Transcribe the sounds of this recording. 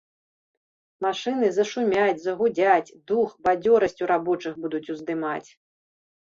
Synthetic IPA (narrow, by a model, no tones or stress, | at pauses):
maʂɨnɨzɐʂumʲat͡sʲzɐɣud͡zʲat͡sʲd̪uxbad͡zʲɔɾɐsʲt͡sʲuɾabɔt͡ʂɨxbud̪ut͡sʲuzd̪ɨmat͡sʲ